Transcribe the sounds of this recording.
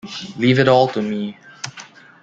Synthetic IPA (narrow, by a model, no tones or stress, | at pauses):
liːvɨɾɔlˠtəmi